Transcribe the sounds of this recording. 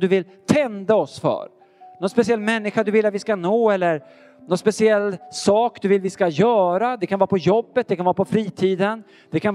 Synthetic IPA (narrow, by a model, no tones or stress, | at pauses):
d̪ɵvɪl | t̪ʰɛnd̪aɔsfœ̰ːɾ | nɔnspɛsɪɛlːmɛnːɪɧad̪ɵvɪlːat̪vɪskanoːɛlːəɾ | nɔnspɛsɪɛlːsɑːkd̪ɵvɪlvɪskajœːɾad̪ɛkʰanvɑːɾapʰɔjɔbːət̪̚d̪ɛkʰanvaːɾapɔfɾiːt̪ʰiːd̪ən | d̪̥ɛkʰan